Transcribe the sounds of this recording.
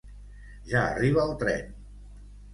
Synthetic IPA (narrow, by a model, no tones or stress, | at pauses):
ʒaə̰riβ̞əːlˠt̪ɾɛ̰n